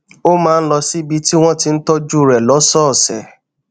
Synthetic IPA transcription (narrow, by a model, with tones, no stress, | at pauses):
o˦mãː˨˦˧n̩˦lɔ˧si˦bi˧˦ti˦w̃ɔ̃˦ti˧n̩˦tɔ˦d͡ʒu˦˨ɾɛ˨lɔ˨˦sɔː˦˨sɛ̰˨